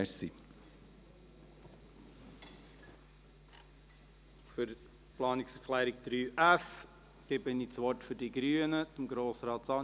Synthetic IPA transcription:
ɾsi | fʏɾ | plɑːniksɛɾklæːɾiɡ̚d̪̥ɾyːʔæf | ɡ̥ɪbɪnit͡sʋɔɾtfʏɾdiɡɾyːənədəmɡɾoːsɾɑːt̪sɑː

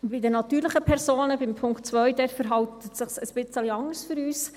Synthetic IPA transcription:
bɪdənɑt̪yːɾləχəpʰɛɾsoːnəbɪmpʰʊŋktt͡sʋœjdɛːtfəɾɦɑwtətsɪχsəsb̥ɪt͡səliɑŋəɾsfyɾyːs

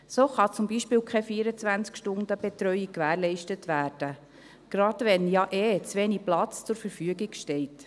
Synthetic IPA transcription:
soːχɑt͡sumbiʃpɪːwkʰχɛfiːɾət͡sʋænt͡skʃtʊndəb̥ɛt̪ɾœjɪkkːʋæːɾlɛɪʃtətʋæːɾd̥ə | ɡ̥ɾɑdʋɛnjɑʔeːt͡sʋɛniplɑt͡st͡sʊɾfəɾfyəɡiɡʃtɛɪt

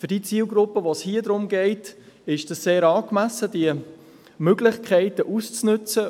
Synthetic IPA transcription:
fʏɾdit͡siːlɡɾʊpːəʋoshiəd̪ɾʊmɡɛɪt | ɪʃd̥ɑsseːɾɑːkmæsəd̥iə | møɡlɪχkʰχɛɪtəʔust͡snɵt͡sə

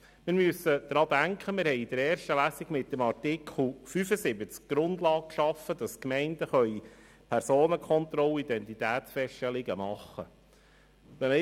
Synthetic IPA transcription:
mɪɾmyəsəd̥̪ɾɑːd̪æŋkχəmɪɾhɛɪid̥̪əɾɛːɾʃtəlæːsiɡmɪtːəmɑrtɪkʰl̩fyfəsɪbət͡skɡ̥ɾʊndlɑːk̚kʃɑfːəd̥̪ɑskmɛɪnd̥əχœʏ | pʰæɾsoːnəkʰχɔnt̪ɾɔlid̪ɛnt̪it̪æːtsfɛʃtɛlɪɡəmɑχːə̰ | ʋɛ

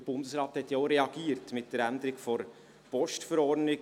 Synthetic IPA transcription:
əb̥ʊndəsrɑːthɛtjɑoʊɾɛɑɡ̥iːəɾtmɪt̚d̥əɾænd̪əɾɪkfɔɾ | pɔʃtfəɾɔrdnɪ

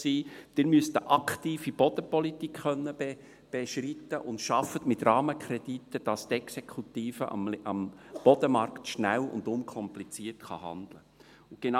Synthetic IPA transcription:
siːd̥ɪɾmyəst̪əʔɑktiːfib̥ɔd̥̪əpɔlitikχœnːəbe | b̥eʃritːəʔʊntʃɑfətmɪtrɑːməkʰɾɛd̥itəd̥ɑst̪ɛksekʰutiːfəʔɑ̰mɑmb̥ɔd̥əmɑɾktʃnælʊ̰ndʊnkʰɔmplit͡siːrtχɑ̰hɑ̰nd̪̥lə | ʊnɡ̥en

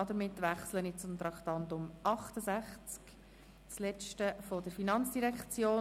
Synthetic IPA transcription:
ɑdəmɪt̪ːʋæχslənɪt͡sʊmt̪ɾɑkt̪ɑntʊmʔɑχtəzæχt͡sk | t͡slɛt͡ʃtəfod̥əɾfinɑnt͡sd̥iɾɛkχt͡sjoː

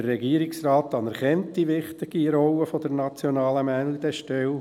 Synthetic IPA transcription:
ərːɛɡiːəɾɪksrɑːtɑnɛɾχɛntd̥iʋɪχt̪ɪɡ̥iɾɔwəfod̥əɾnɑt͡sjonɑːləmænlid̥̪ɛʃtɛl

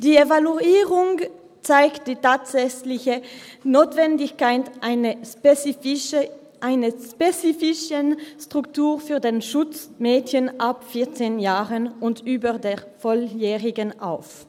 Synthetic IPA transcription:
d̥iːevaluiːʁʊŋ | t͡saɪkt̚d̥iːtaːtz̥ɛçlɪçənoːtv̥ɛndɪçkaɪtnə | ʔaɪnəspet͡siːfɪʃənstʁ̥ʊktuːʁfyːɐdeːnʃʊt͡smeːdçənʔapfɪɐt͡seːnjaːʁənʊntʔyːbədeːʁfɔljɛːʁɪɡənʔa̰ʊf

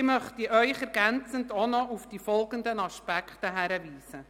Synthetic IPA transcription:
ɪmœχtiʔœʏχɛɾɡænt͡səndonɔufd̥ifɔlɡəndənɑʃpækχtəɦæɾəviːsə

